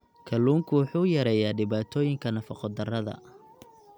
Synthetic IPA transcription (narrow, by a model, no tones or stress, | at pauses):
kʰɐlːuːŋkʰʊwʊħuːjɐɾɛjaːɖɪβaːt̪ʰɔːjɪŋkʰɐnɐfɑqɔd̪ɐrɐðɐ̰